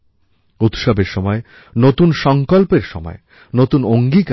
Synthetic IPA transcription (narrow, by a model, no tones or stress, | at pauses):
ut̪ʃɔbeɾʃɔmɔe | not̪unʃɔŋkolpeɾʃɔ̰mɔ̰e | not̪unoŋɡik